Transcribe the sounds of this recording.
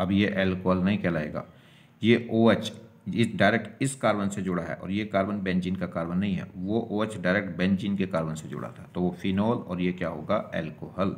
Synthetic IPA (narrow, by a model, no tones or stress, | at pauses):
ɐbjeʔɛːlkoːɦəlnɐɦĩkɛlaːḛːɡa̰ː | jeʔoːət͡ʃ | ɪɖaːɪɾeːk̚ʈɪskaːɾbənsed͡ʒʊɽaɦɛ̰ʔɔ̰ːɾjekaːɾbənbɛ̃ːnd͡ʒiːnkakaːɾbənːɐɦĩɦɛ̰ʋoʔoːət͡ʃɖaːɪɾek̚ʈ̚bɛ̃ːnd͡ʒiːnkekaːɾbənsed͡ʒʊ̰ɽa̰t̪ʰat̪oʋofʰinɔːlɔ̰ːɾjekjaːɦo̰ːɡaɛ̰ːlkoːɦəl